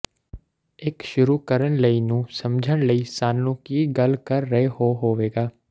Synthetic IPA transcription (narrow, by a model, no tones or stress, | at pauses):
ɪkʃʊɾuːkəɾəɳləiːnũːsəmd͡ʒʱəɽləiːsaːnlũːkiːɡəlkəɾːəɦeɦoːɦoːʋeːɡaː